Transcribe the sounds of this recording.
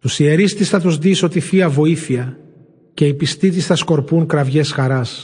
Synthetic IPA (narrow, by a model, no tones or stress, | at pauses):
t̪usieɾist̪isθɐt̪uzðiso̞t̪ifiɐvo̞iθiɐ | ce̞ipist̪it̪̬isθɐsko̞ɾpuŋkɾɐvʝe̞sxɐɾɐs